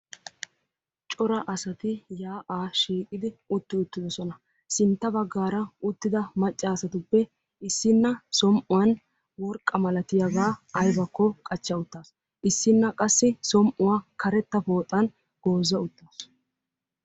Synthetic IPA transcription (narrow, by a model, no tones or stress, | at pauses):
t͡ʃʼɔɾɐʔɐsɐt̪ɪjaːʔaːʃiːkʼɪd̪ɪʊt̪ːɪʊt̪ːɪd̪ɔsɔnɐ | sɪnt̪ːɐbɐɡːaːɾɐʊt̪ːɪd̪ɐmɐt͡ʃʼːaːsɐt̪ʊpːɛ | ɪsːɪnːɐsɔmʔʊwɐn | wɔɾkʼːɐmɐlɐt̪ɪjɐɡaːɐjbɐkːɔkʼɐt͡ʃːɐʊt̪ːaːs | ʔɪsːɪnːɐkʼɐsːɪsɔmʔʊwaːkʰɐɾɛt̪ːɐpo̞ːt̪ʼːɐn | ɡ̥o̞ːzːɐʊt̪ːaːs